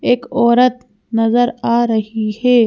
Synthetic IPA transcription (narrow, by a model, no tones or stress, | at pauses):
eːkɔːɾət̪ | nɐzəɾaːɾɐɦihɛː